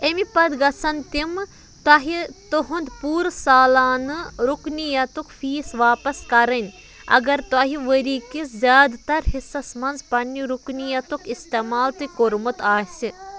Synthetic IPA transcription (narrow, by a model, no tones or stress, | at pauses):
emipɐd̪ɡɐsɐnt̪im | t̪aɦit̪oɦund̪puːɾsaːlaːnɨɾuknijɐt̪ukʰfiːsʋaːpɐskɐɾɐnʲ | ɐ̰ɡɐɾt̪aːɦiʋəɾiːkizjaːd̪t̪ɐɾɦisːɐsmɐnzpɐnːiɾuknijɐt̪ukist̪eːmaːlt̪ɨkoɾmut̪aːsi